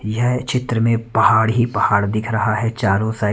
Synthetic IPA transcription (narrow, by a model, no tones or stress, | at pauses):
jɐɦt͡ʃɪt̪ɾəmẽpɐɦaːɽɦipɐhaːɽd̪ɪkʰɾɐɦaɦɛt͡ʃaːɾõsaː